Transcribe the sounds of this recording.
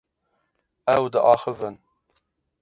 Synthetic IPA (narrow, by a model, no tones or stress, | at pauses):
ɛwd̪ɨʔɑːxəvɨn